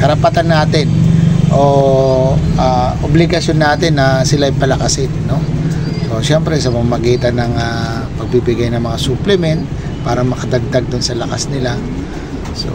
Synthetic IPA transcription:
kɐɾɐpɐt̪anːaːt̪ɪnʔo̞ | ʔaʔoblɪɡɐsjo̞nːaːt̪ɪnːɐsɪlaʔɐjpɐlɐkɐsɪnːo̞so̞ʃɛmpɾɛsɐpɐmamɐɡiːt̪ɐnɐŋa | pɐɡ̚bibɪɡajnɐŋmɐŋasuplɛmɛnt̪̚ | paːɾɐmɐkɐd̪ɐɡ̚d̪aɡ̚d̪ʊnsɐlɐkasnɪla | so̞̰

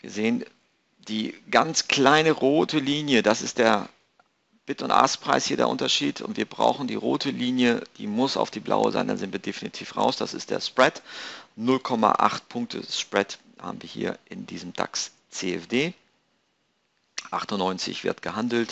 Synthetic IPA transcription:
viːɐzeːən | d̥iːɡant͡skl̥aɪnəʁoːtʰəliːnjədasɪstd̥eːɐ | b̥ɪtʊntʔa̰spʁ̥aɪshiːɐdḛɐ̰ʔʊ̰ntɐʃiːtʰʊ̰ntv̥iːɐbʁa̰ʊxn̩diːʁo̰ːtʰəliːnjəd̥ḭːmʊsa̰ʊfd̥iːblʔa̰ʊə̰za̰ɪnda̰nzɪntviːɐdefinitʰiːfʁa̰ʊsd̥asɪ̰std̥ḛːɐspʁ̥ɛtnʊlkʰɔma̰ʔa̰χt̚pʰʊŋk̚tʰə̰spʁ̥ɛt | haːbm̩viːɐhḭːɐʔɪndiːzəm̩d̥a̰ks | t͡seːɛfd̥eː | ʔaχtʊnːɔʏnt͡sɪ̰çv̥ɪ̰ɐtɡ̥əhandl̩t

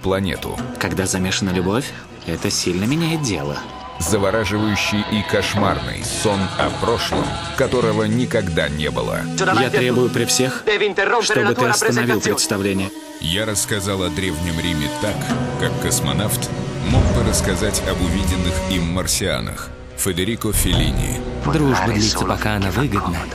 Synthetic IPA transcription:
plˠɐnʲḛt̪ʊ̰kɐɡd̪azɐmʲe̞ʂənəlʲʊbo̞fʲ | ɛt̪əsʲilʲnəmʲɪnʲajɪt̪̚dʲe̞̰lˠə̰ | zəvɐɾaʐɨvəjʉɕːɪjʔikɐʂma̰rnɨ̰jsonɐ̰pɾoʂlˠə̰mkɐt̪o̞ɾəvənʲɪkɐɡd̪anʲebɨ̰lˠə̰jat̪ɾʲebʊjʊpɾʲɪfsʲe̞xʂt̪obɨt̪ɨɐsənɐvʲilˠpɾʲɪt̪st̪ɐvlʲenʲɪjə | jaɾəskɐzalˠɐd̪ɾʲevnʲɪmɾʲimʲɪt̪akːakːəsmɐ̰naft̪moɡ̚bɨɾəskɐzatʲɐbʊvʲidʲɪnːɨximːərsʲɪa̰nə̰x | fʲɪd̪ɪɾʲikʊfʲɪlʲḭnʲɪ̰d̪ɾuʐbəd̪lʲit̪səpɐkaɐnavɨɡəd̪nə

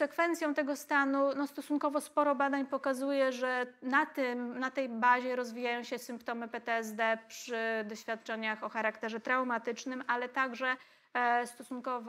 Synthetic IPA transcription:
sɛkfɛnt̪sʲjɔ̃w̃t̪ɛɡɔst̪anunɔst̪ɔsunkɔvɔspɔɾɔbad̪aɲpɔkazujɛʐɛnat̪ɘmnat̪ɛjbaʑɛɾɔzvʲijajɔ̃w̃ɕɛsɘmpt̪ɔmɘpɛt̪ɛɛzd̪ɛpʂɘd̪ɔɕfʲjat̪t͡ʂɛɲaxɔxaɾakt̪ɛʐɛt̪ɾawmat̪ɘt͡ʂnɘmalɛt̪aɡʐɛ | st̪ɔsunkɔv

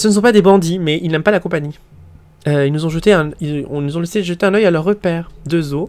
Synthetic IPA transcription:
sənəs̬ɔ̃pad̪ebɑ̃d̪imɛʔilnɛmpalakɔ̃paɲi | øilnuzɔ̃ʒət̪eɛ̃ilɔ̰̃nuzɔ̃lɛseʒət̪eɛ̃nœjalœʁːəpɛːʁd̪øzo

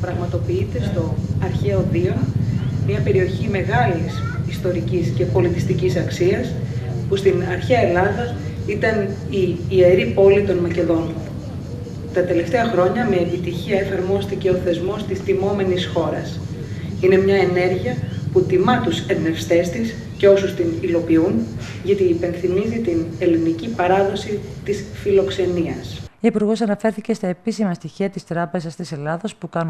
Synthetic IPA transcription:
pɾɐɣmɐt̪o̞piit̪e̞st̪o̞ɐɾçeoðio̞nmiɐpe̞ɾio̞çime̞ɣɐlisist̪o̞ɾicisce̞po̞lit̪ist̪icisɐksiɐs | pust̪inɐɾçeɐe̞lɐðɐit̪ɐn | iːeɾipo̞lit̪o̞nmɐce̞ðo̞n | t̪ɐt̪e̞le̞ft̪e̞ɐxɾo̞ɲɐme̞ːpit̪içiɐe̞fɐɾmo̞st̪ice̞oθe̞zmo̞st̪ist̪imo̞me̞nisxo̞ɾɐs | ine̞mɲɐene̞ɾʝiɐput̪imɐt̪useɾne̞fst̪e̞st̪is | ce̞o̞sust̪inilo̞piun | ʝɐt̪iːpe̞nθimizit̪ine̞linicipɐɾɐðo̞sit̪isfilo̞kse̞niɐsiipuɾɣo̞s̬ɐnɐfe̞ɾθice̞st̪ɐe̞pisimɐst̪içiɐt̪ist̪ɾɐpe̞zɐst̪ise̞lɐðɐspukɐnu

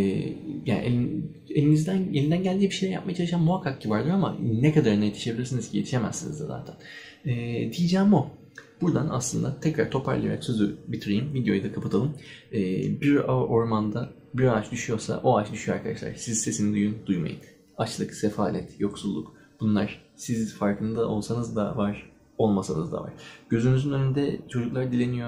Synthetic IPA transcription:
ja̰ːnʔe | elʲinizd̪ænjelʲind̪ænɟælʲd̪iːbiʃejlʲɛɾja̰p̚majat͡ʃaɯʃammuɦakʰːak̚civaɾlˠɯjoama̰nekʰad̪aɾɯnajet̪ʰi̥ʃe̞bilʲiɾsiniz̥cʰije̞t̪ʰiʃe̞mæ̰zsinizd̪aza̰ːt̪ʰæn | ɛːd̪ijid͡ʒæːmo̞ | b̥uɾd̪ana̰slˠɯnd̪at̪ʰɛcɾa̰ɾt̪ʰo̞pʰaɾlˠaja̰ɾaksʰøzybit̪ʰɾejimvid̪jo̞jd̪akʰapʰɯt̪ʰalˠɯmɛːbiɾaʔo̞ɾmand̪a | biɾaat͡ʃd̪yʃyjo̞ɾsa̰ʔo̞at͡ʃd̪yʃyjoaɾkʰad̪aʃlˠa̰ɾsizse̞sinid̪ujynd̪ujma̰jɯ̰n | at͡ʃlˠɯkse̞faːnʲɛt̪jo̞ksulˠːuk | b̥unlˠaɾ̥sizfaɾkʰɯnd̪aʔo̞lˠsanɯzd̪a̰vaɾ̥ | o̞lˠmasanɯzd̪a̰va̰ɾ̥ɟ̥ø̞zynyzynø̞nynd̪ɛt͡ʃʰo̞d͡ʒuklˠaɾd̪ilʲe̞nijo

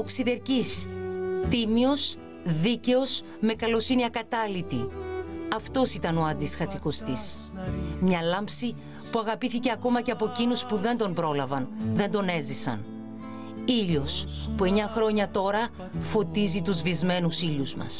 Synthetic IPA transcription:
oksiðe̞ɾcist̪imio̞s | ðice̞o̞s | me̞kɐlo̞siniɐkɐt̪ɐlit̪i | ɐft̪o̞sit̪ɐno̞ɐnd̪isxɐt͡siko̞st̪is | mɲɐlɐmpsi | puɐɣɐpiθice̞ɐko̞mɐce̞ɐpo̞cinuspuðe̞nd̪o̞mbɾo̞lɐvɐnðe̞nd̪o̞ne̞zðisɐ̰n | iʎospue̞ɲɐxɾo̞ɲɐt̪o̞ɾɐ | fo̞t̪izit̪uzvizme̞nusiʎuzmɐ̰s

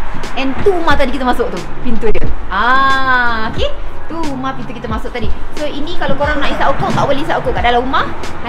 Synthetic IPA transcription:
ɛ̃nt̪uumaht̪adikit̪əmasʊk̚t̪upint̪udəʔa | oket̪uumahpint̪ukit̪əmasʊk̚t̪adisoinĩkalakoɾaŋnãisaʔukoʔt̪a̰ʔbəlesaʔukoʔkaʔdalaumah

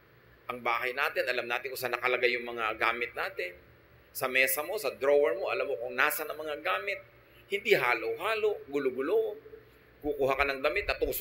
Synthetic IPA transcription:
ʔɐŋbaːhɐjnaːt̪ɪnʔɐlamnaːt̪ɪŋkʊsanɐkɐlɐɡajʊŋmɐŋaɡaːmɪt̪̚naːt̪ɪn | sɐmɛːsɐmo̞sɐd̪ɾowɛɹmoʔɐlamokʊŋnaːsɐnɐŋmɐŋaɡaːmɪt̪̚ | hɪnd̪iɦaːloʔhaːloʔɡʊloɡʊloʔ | kukuːhakanɐŋd̪ɐmɪt̪̚nɐt̪us

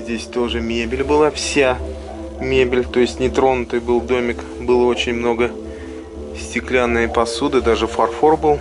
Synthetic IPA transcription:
zʲdʲesʲt̪o̞ʐɨmʲebʲɪlʲbɨlˠafsʲa | mʲebʲɪlʲt̪o̞jɪsʲtʲnʲɪt̪ɾo̞nʊt̪ɨjbɨlˠd̪o̞mʲɪk | bɨlˠəo̞t͡ɕɪnʲmno̞ɡə | sʲtʲɪklʲanːɨjəpɐsud̪ɨd̪aʐɨfɐrforbɨlˠ

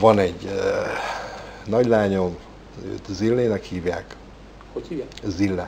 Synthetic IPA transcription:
vɒnɛɟ | nɒɟlaːɲo̞m | ø̰ːt̪zilːeːnɛkhiːvjaːk | zilːɛ̰

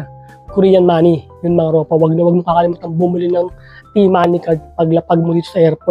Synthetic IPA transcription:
kʊɾiːjɐnmaːnijʊnmɐŋaɾoːpɐwɐɡ̚nɐwɐɡ̚mokɐkɐlɪmuːt̪ɐnbʊmʊlɪnɐŋ | t̪imaːnikɐpɐɡlɐpɐɡ̚mʊd̪iːt̪o̥sɐʔɛɾpo

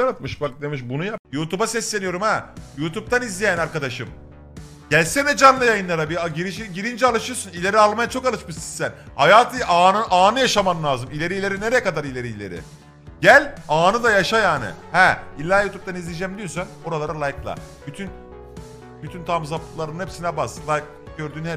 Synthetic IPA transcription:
anat̪̚mɯʃbak̚t̪emɯʃ̬bunujajuːt̪ʰubasɛslʲe̞nijo̞ɾumajuːt̪ʰup̚t̪ʰanizlʲejænaɾkad̪aʃɯm | ɟ̥ælʲsɛnɛd͡ʒanlˠɯjajɯnˠaɾabiaɟiɾiʃiɟiɾind͡ʒɛalˠaʃɯɾsunilʲe̞ɾialˠmajat͡ʃʰo̞kalˠɯt͡ʃmɯʃinsæn | hajaːt̪ʰɯʔanɯʔaːnɯjaʃamanlˠaːzɯmilʲe̞ɾiilʲe̞ɾineɾejɛkad̪aɾilʲe̞ɾiːlʲeɾɪ̰ | ɟælʲaːnɯd̪ajaʃajaːnɪ̰hɛilʲːaːjuːt̪ʰup̚t̪anizlʲid͡ʒɛmd̪ijo̞sano̞ɾalˠaɾalˠajklˠa̰byt̪ʰyn | byt̪ʰynt̪ʰamzaplˠaɾɯnɯnɛpsinʲɛbaslˠajk̚ | ɟøɾd̪yːnhɛ

